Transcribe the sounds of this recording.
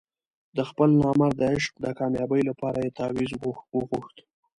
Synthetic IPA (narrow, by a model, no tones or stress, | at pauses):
d̪əxpəlnɑmaɾd̪əɪʃqd̪əkɑmjɑbəjlapɑɾajet̪ɑwizwəɣuxt̪